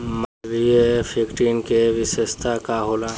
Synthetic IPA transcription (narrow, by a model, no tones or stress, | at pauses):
məʋiepʰikʈiːnkeʋɪsest̪ʰakaɦoːlã